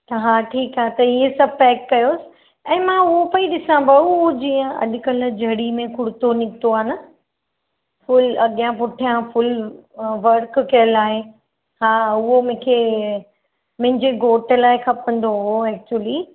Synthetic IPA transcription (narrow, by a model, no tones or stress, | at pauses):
t̪ɐɦãːʈʰiːkaːt̪ɐiesɐb̚ʱpɛːk̚kɐjoːsɪ̥ | ɛ̃ːmãʊɦopɐiɗɪsãbɐuod͡ʑiːə̃ɐ̰ɗkəl̆d͡ʑʱɐɽimẽkʊɽt̪onɪkt̪oaːnɐ | fʊlɐɠijãpʊʈʰijãfʊl | ʋɐɾkkɐjəlaːɦe | hãːʊɦomʊ̃ːkʰe | mʊ̃ɦɪ̃ɲd͡ʑeɡoːʈəlaːɪkʰɐpə̃nd̪oɦʊoɛːk̚t͡ɕuəli